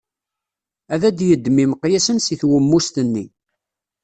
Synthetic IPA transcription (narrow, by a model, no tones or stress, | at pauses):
æðæd̪jəd̪ːmimqjæsənsiθwəmːust̪ənːi